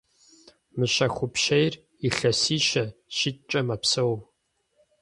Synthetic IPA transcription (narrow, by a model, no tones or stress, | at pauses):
mɨɕɐxʷʊpʃejr | iɬɐsiːʃɐʃɪtʼt͡ʃʼɐmɐpsow